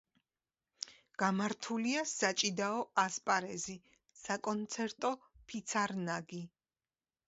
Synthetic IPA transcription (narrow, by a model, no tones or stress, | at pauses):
ɡ̥amaɾt̪ʰuliasat͡ʃʼid̪aɔʔaspʼaɾɛzi | sakʼɔnt̪sʰɛɾt̪ʼɔpʰit̪sʰaɾnaɡi